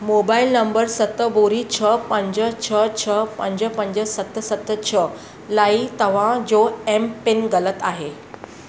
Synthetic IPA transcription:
mobailnəmbəɾsət̪ːəboɾit͡ɕʰəpəɲd͡ʑət͡ɕʰət͡ɕʰəpəɲd͡ʑəpəɲd͡ʑəsət̪ːəsət̪ːət͡ɕʰə | lait̪əʋ̤ãd͡zoempenɡələt̪aɦe

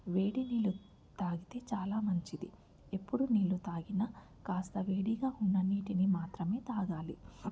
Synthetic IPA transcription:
ʋe̞ːɽiniːlu | t̪aːɡit̪e̞ːt͡ʃaːlaːmɐɲt͡ʃid̪ḭ | e̞pːuɽuniːlːut̪aːɡinɐ | kaːst̪ɐʋeːɽiɡaːunːɐnːiːʈinimaːt̪ɾɐme̞ːt̪aːɡaːlḭ

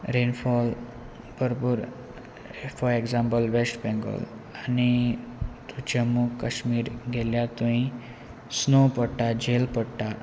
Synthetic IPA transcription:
ɾenfɔl | bəɾpuːɾ | fɔeɡzãmpəlʋesʈbɛ̃ŋɡə̰l | añi | t̪ud͡ʑamukəɕmiːɾɡʱeljat̪ũĩ | snopəɽʈad͡ʑelpəɽʈa

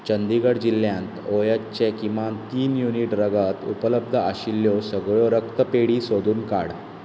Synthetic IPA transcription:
t͡ɕənd̪iɡəɽd͡ʑilːjãnt̪ojat͡ɕekiʋant̪iːnjuniʈɾəɡat̪ṵpələb̚d̪ʱəaɕilːjɔsəɡɭoɾəkt̪əpeɽiːsod̪ʱuːnka̰ɽ

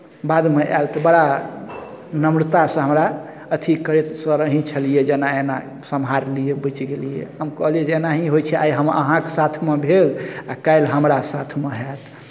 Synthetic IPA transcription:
bad̪meʔa̰lt̪ɔbəɽa | nəmɽt̪asə̃ɦəmɾa | ət̪ʰikəɾet̪sə̃ɾəɦĩt͡ʃʰəlijed͡ʒenaena | səmɦaɾlijebət͡ʃɡelijḛɦəmkəɦlijed͡ʒenaɦiɦojt͡ʃʰɛʔa̰iɦəmə̰ɦãkesat̪ʰmebʱelakajlɦəmɾasat̪ʰmeɦet̪ʰ

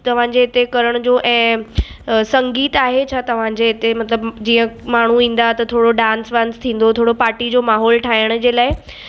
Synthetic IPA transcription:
t̪ɐʋ̤ãd͡ʑeɪt̪ekɐɾəɽ̃d͡ʑoʔɛ̃ː | sɐ̃ŋɡiːt̪aːɦet͡ɕʰaːt̪ɐʋ̤ãd͡ʑeːt̪emɐt̪ləbd͡ʑiːə̃maːɳ̤uĩːn̆d̪at̪ɐt̪ʰoːɽoɖãːnsʋãːnst̪ʰĩːn̆d̪ot̪ʰoːɽopaːʈid͡ʑoːmaːɦɔːlʈʰaːɪəɽ̃d͡ʑeːlaːɪ

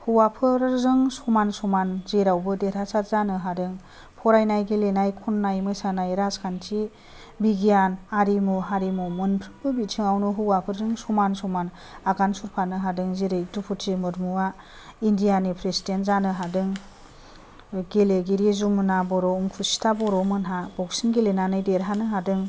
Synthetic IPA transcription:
huwapʰɯɾzɯŋsɔmansɔmanzeɾawbɯdeɾʰasatzanɯɦadɯŋ | pʰɔɾajnajɡelenajkʰunːajmɯjsanajɾaskʰantʰi | biɡijanaɾimuɦaɾimumɯnpʰɾɯbɯbitʰiŋawnuɦuwapʰɯɾzɯŋsɔmansɔman | aɡansuɾpʰanɯɦadɯŋziɾɯjtupʰutʰimɯɾmuwa | indijanipʰɾesidentzanɯɦadɯŋ | ɡeleɡiɾizumɯnabɔɾɔuŋkʰusi̥tʰabɔɾɔmɯnɦabɔk̚sinɡelenanɯjdeɾɦanɯɦadɯŋ

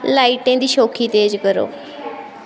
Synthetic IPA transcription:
laːiːʈẽːd̪iːʃoːkʰiːt̪eːd͡ʒkəɾo̰ː

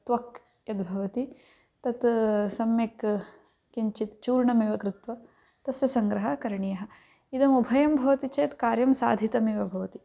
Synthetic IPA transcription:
t̪ʋɐk | jɐd̪bʱɐʋɐt̪i | t̪ɐt̪sɐmjek | kiɲt͡ʃit̪t͡ʃuːɾɳɐmiʋɐkɾɪt̪ʋɐ | t̪ɐsjɐsɐŋɡɾɐɦɐkɐɾɐɳijɐɦɐ̆ | id̪ɐmubʱɐjɐmbʱɐʋɐt̪it͡ʃɐjt̪kaːɾjɐmsaːd̪ʱit̪ɐmiːʋɐbʱɐʋɐt̪i

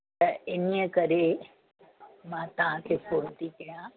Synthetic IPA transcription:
t̪ɐɪniəkɐɾe | mãt̪ɐʋ̤ãkʰeːpoːɾt̪ikɐjã

